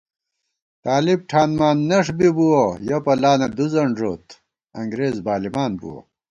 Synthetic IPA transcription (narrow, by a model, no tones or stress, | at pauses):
t̪aːlib̚ʈʰaːnmaːnːɐʂbibuwojɐpɐlaːnɐd̪uzɐɳʐoːt̪ | ɐŋɡɾeːzbaːlimaːnbṵwɐ̰